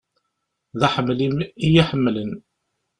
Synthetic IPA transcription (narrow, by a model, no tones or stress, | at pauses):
ðæħəmːlimijiħəmːlən